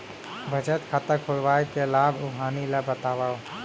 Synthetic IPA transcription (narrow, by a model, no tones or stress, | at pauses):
bʱəd͡ʒət̪kʰat̪əkʰʊɽʋajkelaːbʱuɦaːniləbət̪aːbaw